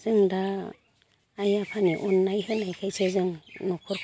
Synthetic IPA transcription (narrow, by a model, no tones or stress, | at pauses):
zɯŋda | japʰaniʔɔnːajɦɯnajkʰajsezɯŋnɔkʰɔɾkʰ